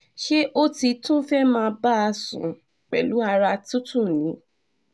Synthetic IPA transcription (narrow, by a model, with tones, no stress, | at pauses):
ʃe˦ʔo˦ti˧tũ˦fɛ˦mãː˧ba˦a˧sṵ̃˨ | k͡pɛ̰˨lu˨˦a˧ɾa˧tũ˦tũ˦˨nĩ˨˦